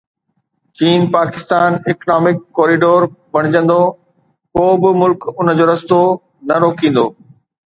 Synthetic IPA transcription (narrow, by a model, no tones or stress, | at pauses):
t͡ɕiːnpaːkɪst̪aːnɪknaːmɪkːoːɾiɖoːɾbɐɽ̃ɪd͡ʑə̃nd̪o | koːbɪmʊlkʊnə̆d͡ʑoːɾɐst̪o | nɐɾoːkĩːn̆d̪oː